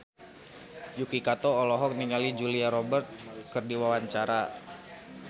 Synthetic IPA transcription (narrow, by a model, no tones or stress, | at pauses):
jukikat̪ɔːlɔɦɔk̚niŋalid͡ʒuliaɾɔbərt̪̚kɨrdiwawaɲt͡ʃaɾa